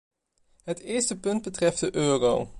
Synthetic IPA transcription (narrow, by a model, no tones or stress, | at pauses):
ɦətɪːɹstəpɵnd̚bətrɛf̚dəʔøːrow